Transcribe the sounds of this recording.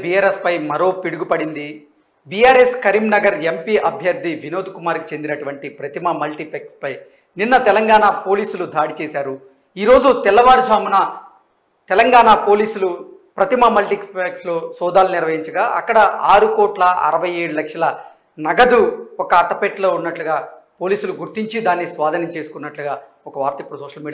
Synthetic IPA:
bijaːɾespɐjmɐɾo̞ːpiɽuɡupɐɽind̪i | bijaːɾeskɐɾiːmnɐɡɐɾempiʔɐbʱjɐɾd̪ʱiʋino̞ːd̪ukumaːɾki̥t͡ʃe̞nd̪inɐʈuʋɐɳʈipɾɐt̪imɐmɐlʈipekspɐj | ninːɐt̪ɛlɐŋɡaːnapo̞ːliːsulud̪ʱaːɽit͡ʃeːsaːɾu | iːɾo̞ːd͡ʒut̪ɛlɐʋaːɾd͡ʒʱaːmunɐ | t̪ɛlɐŋɡaːnapo̞ːliːsulu | pɾɐt̪imɐmɐlʈikspekslo̞ːsɔːd̪aːluniɾʋɐɦiɲt͡ʃɐɡaːʔɐkːɐɽɐaːɾukɔːʈlɐʔɐ̰ɾɐʋɐje̞ːɽulɐkʂɐlɐ | nɐɡɐd̪uɔkɐːʈːɐpeʈlo̞ːunːɐʈluɡaː | po̞ːliːsuluɡuɾt̪iɲt͡ʃid̪aːnːisʋaːd̪ʱɐnɐmt͡ʃe̞ːsu̥kunːɐʈluɡaː | ɔkɐʋaːɾt̪ɐipːuɽusɔːʂɐlmiːɽi

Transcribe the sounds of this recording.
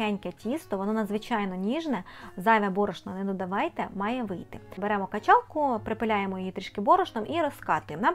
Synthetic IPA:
ɛnʲkʲɛtʲist̪ɔʋɔnɔnɐd̪zʋɪt͡ʃɑjnɔnʲiʒnɛzɑjʋʲɛbɔɾɔʃnɔnɛd̪ɔd̪ɐʋɑjt̪ɛmɑjɛʋɪjt̪ɪbeɾɛmɔkɐt͡ʃɑlˠkʊpɾɪpɪlʲajemɔjɔjit̪ɾiʃkɪbɔɾɔʃnɔmʔiɾɔskɑt̪ʊjemnɑ

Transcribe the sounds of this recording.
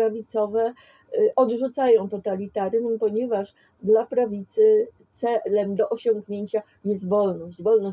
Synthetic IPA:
avʲit̪sɔvɛ | ʔɔd̪ʐut̪sajɔ̃w̃t̪ɔt̪alʲit̪aɾɘzmpɔɲɛvaʂ | d̪lapɾavʲit̪sɘt̪sɛlɛmd̪ɔʔɔɕɔ̃ŋɡɲeɲt͡ɕa | jɛs̬t̪vɔlnɔɕd͡ʑvɔlnɔ

